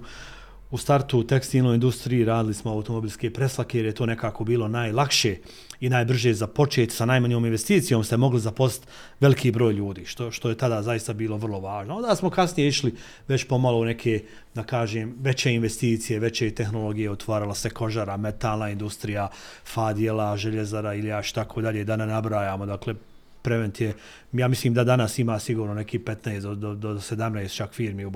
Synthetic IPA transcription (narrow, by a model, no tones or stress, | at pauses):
ust̪aɾt̪ut̪ekst̪iːlnoind̪ust̪ɾijiɾaːd̪ɪlismoawut̪omo̞bilʲskepɾe̞slˠakejeɾjet̪o̞ːne̞kaːko̞biːlo̞naːjlˠakʃe̞ | inaːjbr̩ʒezapo̞t͡ʃeːt̪sanajmaɲjoːminʋest̪iːt̪sijo̞ːmst̪e̞mo̞ɡlizapo̞si̥t̪ | ʋe̞likʰiːbɾoːjʎuːd̪iːʃt̪o̞ʃt̪o̞je̞t̪ad̪aːzaist̪abiːlˠo̞ʋər̩lˠo̞ʋaːʒnoo̞nd̪aːsmo̞kasnije̞iʃli | ʋet͡ɕpo̞malˠo̞une̞kʰeː | d̪akaːʒeːmʋe̞t͡ɕeinʋe̞st̪iːt̪sije̞ʋe̞t͡ɕeit̪e̞xnolo̞ɡijeot̪ʋaːɾalaseko̞ʒaɾame̞t̪aːlnaind̪ust̪ɾijafaːd̪jelaʒeʎezaɾailjaːʃi̥t̪akʰod̪aʎeːd̪anenabɾaːjaːmo̞d̪akle̞ | pɾe̞ʋe̞nt̪je | jaːmisliːmd̪ad̪anasimaːsiɡuːɾnone̞kiːpet̪naesd̪od̪od̪osed̪amneːst̪t͡ʃakfiːɾmiu